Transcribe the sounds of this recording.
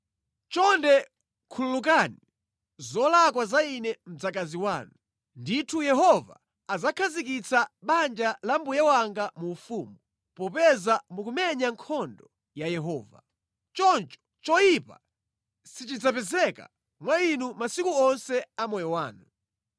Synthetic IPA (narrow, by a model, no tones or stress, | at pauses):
t͡ʃɔndɛ | kʰululuk̬ani | zɔlakwazainɛm̩d͡zak̬aziwaːnu | nditʰujɛɦɔva̰ː | zakʰazik̬it͡saɓand͡ʒalambujɛwaŋɡamuːfumbu | pɔpɛzamukumɛɲaŋkʰɔndɔ | jajɛɦɔːva̰ | t͡ʃɔnt͡ʃɔ̥t͡ʃɔjipa̰ | sit͡ʃid͡zap̬ɛzɛka̰ | mwainumasikuɔnsɛamɔjɔwaːnu